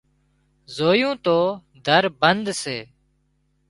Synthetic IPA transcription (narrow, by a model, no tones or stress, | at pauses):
zoːjũːt̪oː | d̪ʱəɾbənd̪seː